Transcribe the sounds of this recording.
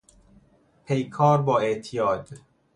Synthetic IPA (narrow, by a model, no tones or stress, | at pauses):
pʰejkʰɒːɾbɒːeʔt̪ʰijɒːd̪